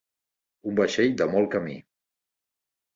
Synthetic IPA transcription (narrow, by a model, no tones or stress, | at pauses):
umbəʃeʎd̪əmɔlˠkəmḭ